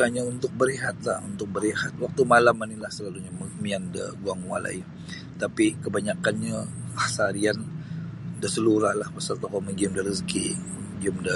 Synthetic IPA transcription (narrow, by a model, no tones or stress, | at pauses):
aɲaunt̪ʊk̚bəɾiɦat̪̚lahunt̪ʊk̚bəɾihat̪̚wak̚t̪umalamanilahsəlaluɲammiandə̰ɡuaŋwa̰la̰i | t̪apikəbaɲakanɲaahsaɾian | dəsəluɾahlahbəsart̪okɔməɡiəmdəɾəskḭ | ɡiəmdə